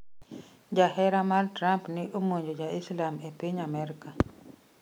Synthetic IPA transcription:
d͡ʒaɦɛɾamartɾampnɪʔomoɲd͡ʒod͡ʒaislamepiɲamɛɾika

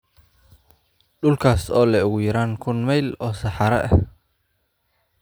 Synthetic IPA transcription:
ɖʊlkʰaːsɔːlɛʊɣʊjɐɾaːŋkʰʊnmɛjlɔːsɑħɑɾɐ̰ʔɐ

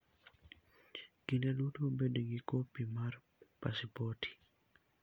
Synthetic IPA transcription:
ɡinɛlutobedeɡikopimar | pasipotʰi̥

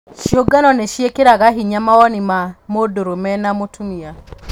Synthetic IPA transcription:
ʃioɡanɔneʃiekeɾaɣaɦiɲamawɔnimamodoɾomɛnamotʰunia

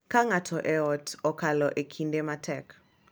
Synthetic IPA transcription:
kaŋatʰɔʔɛɔtɔkalɔʔekʰindematʰɛk

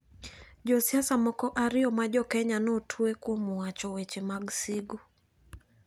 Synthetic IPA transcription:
ʄɔsiasamɔkɔʔaɾiɔmaʄɔkɛɲanɔtʰuɛkuɔmuat͡ʃɔwɛt͡ʃɛmaɡsiɡu

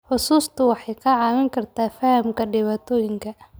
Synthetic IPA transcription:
ħʊsuːst̪ʰʊwɑħɑjkʰɐʕɑːwɪŋkʰɐrt̪ʰaːfɐhɐmkʰɐɖɪβaːt̪ʰɔːjɪŋkʰɐ

